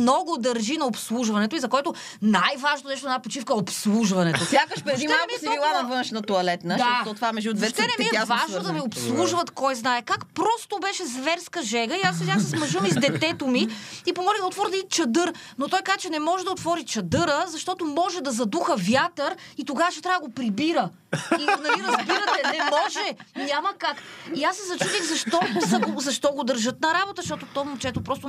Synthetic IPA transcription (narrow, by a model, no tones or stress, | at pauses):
nɔɡʊd̪ɐɾʒinɐopslˠuʒvɐnɛt̪oʊizɐkoɛt̪o | najvaʒnot̪nɛʃt̪oɛnapot͡ʃifkəopslˠuʒvɐnɛt̪osjakəʃpɾɛd̪immisvilˠanɐvɤnʃnɐt̪oɐlɛt̪nəd̪ɔt̪ɔt̪vaɾmɛʒud̪vɛɛnɛmiɛvaʒnod̪ɐmiopslˠuʒvɐt̪kɔjznaɛkakpɾɔst̪obɛʃɛzvɛɾskəʒɛɡəiasɛd̪ʲasɛsmɐʒɤmizd̪ɛt̪ɛt̪omiipomɔlʲid̪ot̪vɔɾd̪ɐit͡ʃɐd̪ɤɾ | not̪ɔjkazət͡ʃɛnɛmɔʒɛd̪ɐot̪vɔɾit͡ʃɐd̪ɤɾəzɐʃt̪ɔt̪omɔʒɛd̪ɐzɐd̪uxəvjat̪əɾit̪oɡavəʃɛ̥t̪ɾavəd̪əɡopɾibiɾə | inɐliɾɐzbiɾət̪ɛɛmɔʒɛɲʲaməkakiasːɛzɐt͡ʃud̪ixzɐʃt̪ɔsɐɡozɐʃt̪ɔɡod̪əɾʒɤt̪̚nɐɾabot̪əʃt̪ɔt̪ot̪ɔmʊt͡ʃɛt̪opɾɔst̪o